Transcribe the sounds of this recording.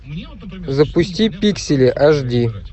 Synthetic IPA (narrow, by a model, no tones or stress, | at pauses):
zəpʊsʲtʲipʲiksʲɪlʲɪʔaʐdʲi